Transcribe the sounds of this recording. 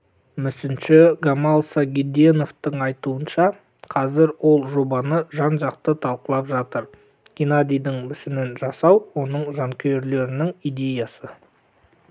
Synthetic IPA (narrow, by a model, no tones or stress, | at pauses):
mʏsɪnʃɪɡamɑlˠsaɡʲid̪eno̞ft̪əɴɑjt̪uənʃɑ | qʰɑzɪɾwo̞lˠʒo̞bɑnəʒɑnʒɑqt̪ət̪ʰɑlˠqəlˠɑpʒɑt̪əɾ | ɡ̥ʲinad̪ʲijd̪ɪŋmʏsɪnɪnʒɑsɑwwo̞nəɴʒɑŋkʲʰeɾle̞ɾɪnɪŋid̪e̞jɑsə